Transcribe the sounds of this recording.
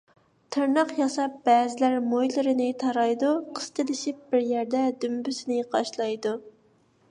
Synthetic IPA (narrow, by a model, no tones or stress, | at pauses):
t̪ʰɨɾnɑqjɑsɑp̚bɛːzɪlæɾmojlˠɨɾɨnɪt̪ʰɑɾɑjd̪uqʰə̥st̪ɨlɪʃip̚b̥ɪɾjæɾd̪ɛd̪ymbysɪnɪqɑʃlˠɑjd̪u